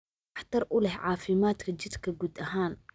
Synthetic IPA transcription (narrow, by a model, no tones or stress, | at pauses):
ɑħt̪ɐɾʔʊlɛhʕɑːfɪmaːt̪kʰɐd͡ʒɪd̪kʰɐɡuːd̪ʔɐɦaːn